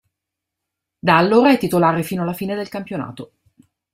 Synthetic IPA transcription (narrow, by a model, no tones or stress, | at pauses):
d̪aːlːoːɾaɛt̪ːit̪olaːɾefiːnoalafiːned̪elkampjona̰ːt̪o